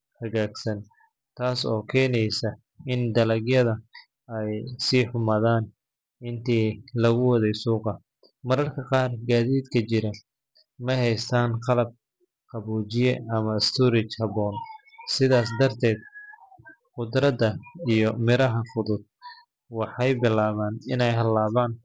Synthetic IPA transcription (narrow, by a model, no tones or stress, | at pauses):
hɐɣaːɡsɐn | t̪ʰaːsɔːkʰɛːnɛjsɐ | ɪnd̪ɐlɐɡjɐðɐ | ɛjsiːħʊmaːðaːn | ɪnt̪ʰɛːlɐɣʊwɑðɛjsuːqɑ | mɐɾɐrkʰɐqɑːrɡaːðiːd̪kʰɐt͡ʃɪɾɐ | mɐɦɛjst̪ʰaːnqɑlɐb̚ | qʰɑβuːt͡ʃɪjɛɐmɐɪst̪ʰuːɾɪt͡ʃhɐβɔːn | sɪðaːs̬d̪ɐrt̪ʰɛːd̪̚ | qʊd̪ɾɐdɐijɔmɪɾɐɦɐfʊðʊd̪̚ | wɑħɑjbɪlaːβaːnɪnɛjɦɐlːaːβaːn